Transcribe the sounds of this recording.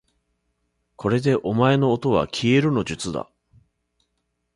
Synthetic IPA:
kʰo̞ɾe̞d̪e̞ʔo̞mae̞no̞ːt̪o̞β̞a̰kʲʰie̞ɾɯ̟no̞ʑɨt͡sɨd̪a̰

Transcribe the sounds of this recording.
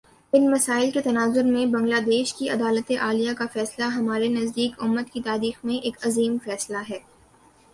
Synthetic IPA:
ɪnmɐsaːɪlket̪ɐnaːzʊɾmẽbɐ̃ŋɡlaːd̪eːʃkiɐd̪aːlət̪eʔaːlijakafɛːslaɦɐmaːɾenɐzd̪iːkʊmːət̪kit̪aːɾiːxmẽʔeːkɐziːmfɛːslaɦɛː

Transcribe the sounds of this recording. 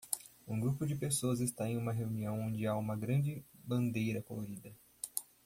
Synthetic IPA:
ũɡɾupʊd͡ʒɪpesoɐzɪst̪aẽj̃ũmɐɦeuniɐ̃w̃õnd͡ʒɪaũmɐɡɾɐ̃d͡ʒɪbɐ̃nd̪ejɾɐkoloɾid̪ɐ

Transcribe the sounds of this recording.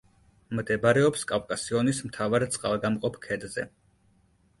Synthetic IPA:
md̪ɛbaɾɛɔpskʼavkʼasiɔnismt̪ʰavaɾt̪sʼqʼalˠɡamqʼɔpʰkʰɛd̪zɛ

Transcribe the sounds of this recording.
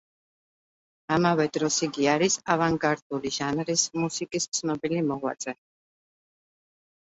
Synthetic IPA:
amavɛd̪ɾɔsiɡiaɾisavaŋɡaɾd̪ʼuliʒanɾismusikʼist̪sʰnɔbilimɔʁwa̰t̪sʼɛn

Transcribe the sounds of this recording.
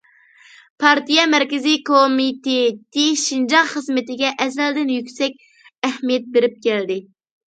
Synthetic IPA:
pʰɑɾt̪ijɑmɛɾkʲɪzikʰomit̪et̪ʰeɪʃind͡ʒɑʁχəzmɪt̪ɪɡʲɛʔɛzɛld̪ɪnjykʲsɛk̚ʲ | ɛhmijɛt̪̚beɾɪp̚kʲɛld̪ɪ

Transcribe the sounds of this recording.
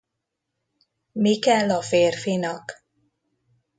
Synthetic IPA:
mikɛlːɒfeːrfinɒk

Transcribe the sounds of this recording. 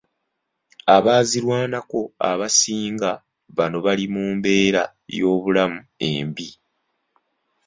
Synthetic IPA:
aβaːziɾwaːnako̞a̰βasiːŋɡa | βano̞βalimuːmbe̞ːɾa | jo̞ːβulamue̞̰ːmbi

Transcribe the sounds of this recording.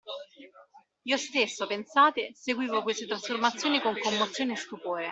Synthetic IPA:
iost̪esːopensaːt̪eseɡwiːvokwest̪et̪ɾasformat̪sːjoːnikoŋkomːot̪sjoːnest̪upoːɾe

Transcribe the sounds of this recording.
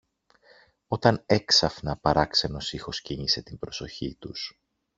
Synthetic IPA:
o̞t̪ɐne̞ksɐfnɐpɐɾɐkse̞no̞sixo̞sciɲise̞t̪imbɾo̞so̞çḭt̪us

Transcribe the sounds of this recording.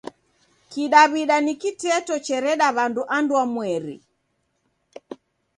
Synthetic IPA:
kiɗaβiɗanikitɛtɔt͡ʃɛɾɛɗaβanduʔanduamwɛɾḭ

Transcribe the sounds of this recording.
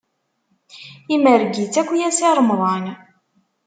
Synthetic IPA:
iməɾɡit͡sːækʷːjæsiɾˤmðˤɑn

